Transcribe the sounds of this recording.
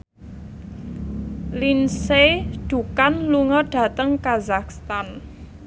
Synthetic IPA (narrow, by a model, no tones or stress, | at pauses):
linseɖ̪̥ṳkanluŋɔɖ̥ä̤t̪əŋkazakst̪an